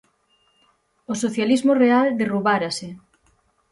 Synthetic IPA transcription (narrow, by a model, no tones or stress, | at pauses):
osoθjalizmoreald̪eruβaɾasɪ